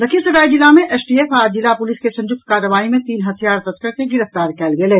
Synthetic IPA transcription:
lɐkʰisɐɾaːid͡ʒɪlamẽʔɛːsʈiːeːfaːd͡ʒɪlapʊlɪskesɐ̃ɲd͡ʒʊk̚t̪kaːɾəʋaːimẽt̪iːnɦɐt̪ʰijaːɾt̪ɐskəɾkeɡɪɾəft̪aːɾkɛːlɡeleː

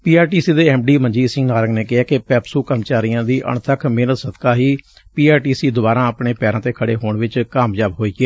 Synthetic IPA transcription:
piːaːɾʈiːsiːd̪eːɛːmɖiːməɲd͡ʒiːsɪ̃ŋɡnaːɾəɡneːkɪɛːkepɛːpsuːkəmt͡ʃaːɾijãːd̪iːʔə̰ɳt̪ʰəkʰmeːnət̪səd̪kaːɦiː | piːaːɾʈiːsiːd̪ʊbaːɾãːəpɳeːpɛːɾãːt̪eːkʰəɽeːɦoːɳʋɪt͡ʃkaːmd͡ʒjaːbɦoːiːɡɛː

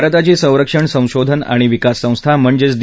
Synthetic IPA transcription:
ɾət̪at͡ɕiːsə̃w̃ɾəkʂəɳsə̃w̃ɕod̪ʱəna̰ɽ̃iʋikasːə̃w̃st̪ʰam̤əɳd͡ʑet͡sd̪

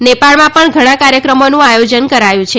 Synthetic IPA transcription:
nepaɭmãpəɳɡʱəɽ̃ãkaɾjəkɾəmonũajod͡ʒənkəɾajũt͡ʃʰe

